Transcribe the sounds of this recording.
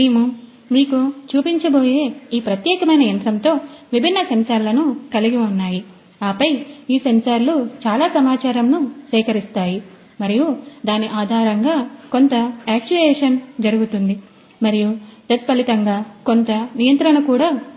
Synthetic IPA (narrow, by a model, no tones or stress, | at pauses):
meːmu | miːkut͡ʃuːpiɲt͡ʃɐbo̞ːje̞ːiːpɾɐt̪jɛːkɐmɐjnɐjɐnt̪ɾɐnt̪o̞ːʋibʱinːɐsɐmsaːɾlɐnukɐliɡiunːaːji | aːpɐjiːsɐmsaːɾlut͡ʃaːlaːsɐmaːt͡ʃaːɾɐmnusɛːkɐɾist̪aːji | mɐɾijud̪aːniʔaːd̪ʱaːɾɐŋɡaːko̞nt̪ɐaːk̚t͡ʃuʋɛːʂɐnd͡ʒɐɾuɡut̪und̪i | mɐɾijud̪ɐt̪̚pɐlit̪ɐŋɡaːko̞nt̪ɐnijɐnt̪ɾɐɳnɐkuːɽaː